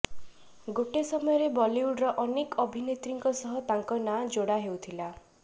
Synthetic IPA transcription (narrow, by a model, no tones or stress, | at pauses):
ɡoʈesɔmɔjɔɾebɔliuɖɾɔʔɔnekɔbʱinet̪ɾiŋkɔsɔɦɔt̪aŋkɔnad͡ʒoɽaɦewt̪ʰila